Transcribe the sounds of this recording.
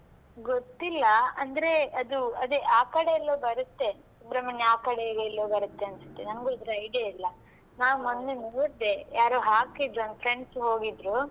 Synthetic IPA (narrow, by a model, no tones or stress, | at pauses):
ɡot̪ːilːɐɐnd̪ɐɾe̞ɐd̪uɐd̪eʔaːkɐɽeɛlːoːbɐɾɐt̪ːe̞ | subɾɐmɐnːeaːkɐɽeɡɛlːoːbɐɾɐt̪ːeɐnsɐ̥t̪ːenɐmɡuːd̪ɾɐɐjɖɐilːɐ | naːʋmonːenuːɾd̪e̞jaːɾoːɦaːkid̪ɾuɐnd̪pʰɾe̞ɳɖsɦo̞ːɡid̪ɾu